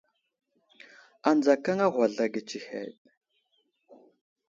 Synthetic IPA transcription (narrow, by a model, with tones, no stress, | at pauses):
a˨nd͡za˨ka˦ŋa˦ɣʷa˨ɮa˨ɡə˨t͡ʃi˨hḛ˨t̚